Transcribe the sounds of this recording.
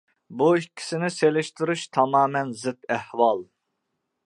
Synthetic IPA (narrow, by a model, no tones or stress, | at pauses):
buikʲʰːi̥sɪnɪselɪʃt̪uɾuʃt̪ʰɑmɑːmɛnzɨt̪æhwɑlˠ